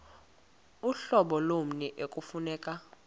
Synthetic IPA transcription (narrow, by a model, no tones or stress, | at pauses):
uɬɔɓɔlom̩nɛʔekʼufunɛːkʼa